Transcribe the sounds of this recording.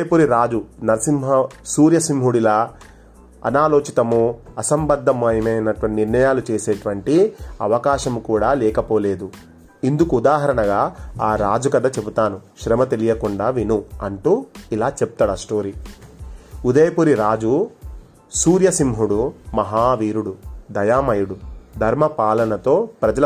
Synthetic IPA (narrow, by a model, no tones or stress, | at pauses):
ɐjɐpuɾiɾaːd͡ʒunɐɾɐsimɦɐsuːɾjɐsimɦuɽilɐ | ɐ̰naːloːt͡ʃit̪ɐmuɐsɐmbɐd̪ʱːɐmɐjɐmɐjnɐʈuʋɐʈniɾnɐjaːlut͡ʃeːseːʈuʋɐɳʈiɐ̰ʋɐkaːʃɐmukuːɽaːlɛːkɐpoːle̞ːd̪u | ind̪ukuːd̪aːɦɐɾɐɳɐɡaːaːɾaːd͡ʒukɐd̪ɐt͡ʃe̞but̪aːnuʃɾɐmɐt̪elijɐkuɳɖaːʋinuɐɳʈuːilaːt͡ʃep̚t̪aːɽɐsʈoːɾi | ud̪ɐjɐpuɾiɾaːd͡ʒu | suːɾjɐsimɦuɽumɐɦaːʋiːɾuɽud̪ɐjaːmɐjuɽud̪ʱɐɾmɐpaːlɐnɐt̪o̞ːpɾɐd͡ʒɐ